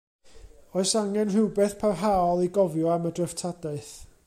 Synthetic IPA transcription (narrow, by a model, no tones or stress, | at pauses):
oɨsaŋɛnr̥ɪwbɛθpʰawɦaɔlˠiɡɔvjɔamədrəftʰadaɨθ